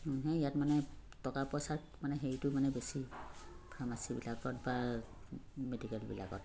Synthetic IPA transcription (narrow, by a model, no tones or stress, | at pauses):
ɦɛ̃ijatmanɛtɔkapɔsaɹ | manɛɦejtʊmanɛbesipʰɹamasibḭlaɡɔtba | medikɛlbḭla̰kɔ̰t